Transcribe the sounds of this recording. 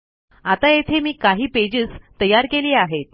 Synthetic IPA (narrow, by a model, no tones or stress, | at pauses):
at̪ajet̪ʰemiːkaɦiːped͡ʑiːst̪əjaɾkeliːaɦet̪̚